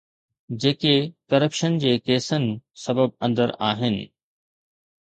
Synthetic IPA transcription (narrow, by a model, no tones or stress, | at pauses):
d͡ʑeːkekɐɾəpʃənd͡ʑeːkeːsənɪ̆sɐbəb̚ɐ̃nd̪əɾaːɦɪnɪ̰̆